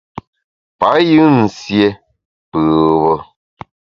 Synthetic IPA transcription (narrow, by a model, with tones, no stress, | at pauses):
pa˨˦jɯ˦n̩˨sje˦ | pɯ˨wɔ˦